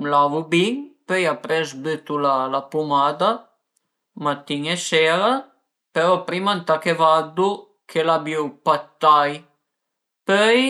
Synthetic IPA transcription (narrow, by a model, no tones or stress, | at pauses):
mlavubiŋpøjapɾɛzbøt̪ulalapumaːd̪a | mat̪ːiɲesɛɾa | peɾɔpɾimant̪akevad̪u | kʰelabjywpat̪ːaj | pœj